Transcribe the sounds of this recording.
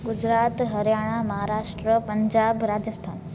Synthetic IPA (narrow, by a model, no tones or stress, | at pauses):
ɡud͡ʑɾat̪ɦəɾjaɽ̃aməɦaɾaːʂʈɾəpəɲd͡ʒaːbɾad͡ʑəst̪ʰa̰ːn